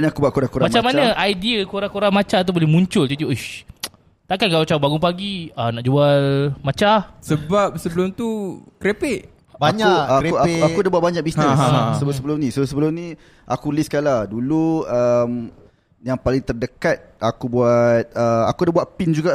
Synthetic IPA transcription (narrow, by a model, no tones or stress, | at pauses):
nakubuaʔ̪kuɾaŋkuɾamat͡ʃamanãʔajdiəkuɾaŋkoɾaŋmat͡ʃat̪̬ubolemũɲt͡ʃʊlt̪it̪iʔoʃ | t̪akankalat͡ʃaubaɡʊŋpaɡianaʔd͡ʒualmat͡ʃasəbap̚səbəlʊmt̪ukɾepɪʔ | baɲuaeaakudabuat̪̚baɲak̚bisnəsəbsəbəlʊmnĩsəosəbəlʊmnĩ | ʔakuliskaladuluəm | jaŋpalɪŋt̪ərdəkat̪̚akubuat̪̚əakudabuatʔ̪pind͡ʒuɡa